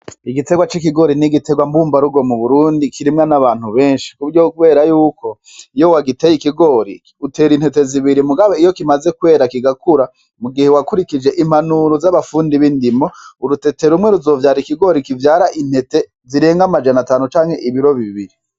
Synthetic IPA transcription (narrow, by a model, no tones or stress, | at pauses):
iɡite̞ɡwat͡ʃikiɡo̞ɾiniɡite̞ɡwambuːmbaɾuɡo̞muβuɾuːndikʰiɾimŋanaβaːn̥huβe̞ːnʃi̥kuɾjokuβe̞ːɾajuːko̞ | ijo̞waɡitejikiɡo̞ɾḭki̥ute̞ːɾin̥he̞te̞ziβiɾimuɡaβeijokimaze̞kwe̞ːɾakiɡakuɾa | muɡihewakuɾikid͡ʒe̞ʔim̥anuɾozaβafuːndiβindimo̞uɾute̞te̞ɾumŋe̞ɾuzo̞ːvjaːɾikiɡo̞ɾikivjaːɾaʔin̥he̞te̞ | ziɾe̞ːŋɡamad͡ʒanataːnut͡ʃaːŋhe̞ʔiβiɾo̞βiβiɾi